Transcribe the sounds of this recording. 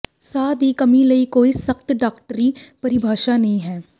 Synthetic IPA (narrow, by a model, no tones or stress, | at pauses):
saːd̪ikɐmilɐikoːisɐkt̪ɖaːkʈəɾipɐɾɪbʱaːʃanɐɦĩɦɛː